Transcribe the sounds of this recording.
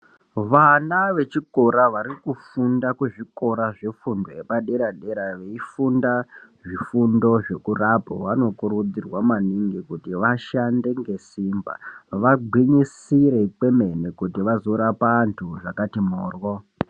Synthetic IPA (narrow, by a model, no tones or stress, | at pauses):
ʋanaʋe̞t͡ʃikoɾaʋaɾikufundakuʐiko̞ɾaʐefundoepaɗe̞ɾaɗe̞ɾaʋe̞ifunda | ʐifundo̞ʐe̞kurapo̰ʋano̞kuɾud͡zirwamaniŋɡikutiʋaʃande̞ŋɡe̞siːmba̰ʋaɡ͡bʱwiɲisiɾe̞pwe̞me̞nekutiʋazoɾapantʰuʐakatimoːrwo